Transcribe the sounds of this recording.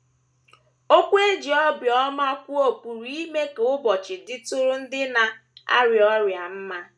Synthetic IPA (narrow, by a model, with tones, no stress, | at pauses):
o˦kʷe˦d͡ʒi˨ɔ˦bjɔ˦ma˦kʷʊ˦o˨pu˨ɾi˦i˦me˦ke˨ʊ˦bɔ˨t͡ʃɪ˨dɪ˦tʊ˦ɾʊ˦n̩˦dɪ˦na˨a̰˦ɾjɔ˦ɾja˨m̩˦ma˦